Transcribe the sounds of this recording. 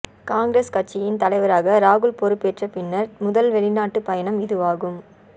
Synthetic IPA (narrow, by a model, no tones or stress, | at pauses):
kaːŋɡɪɾeskɐʈ̚t͡ʃːɪjɪnt̪ɐlɐɪʋɐɾaːɣɐɾaːɣɯɭpɔɾɯpːeːʈrɐpɪnːɐɾmʊðɐlʋɛɭɪnaːʈːɯpɐjɐɳɐmɪðɯʋaːɣɯm